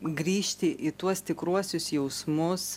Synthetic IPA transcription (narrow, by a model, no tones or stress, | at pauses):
ɡɾʲiːʃʲt̪ʲɪʔit̪uɔst̪ʲɪkɾuɔsʲʊsjɛʊsmʊs